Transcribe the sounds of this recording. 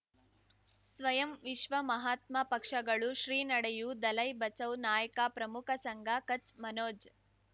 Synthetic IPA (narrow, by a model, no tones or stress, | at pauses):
sʋɐjɐmʋiʃʋɐmɐɦaːt̪mɐpɐkʂɐɡɐɭuʃɾiːnɐɽejud̪ɐlɐjbɐt͡ʃɐwnaːjɐkaːpɾɐmukʰɐsɐŋɡʱakɐt͡ʃmɐnoːd͡ʒ